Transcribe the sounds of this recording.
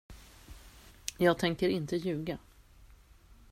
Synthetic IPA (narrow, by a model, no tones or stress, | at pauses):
jɑːɡ̚t̪ʰɛŋkəɾɪnt̪əjʉ̟ːɡa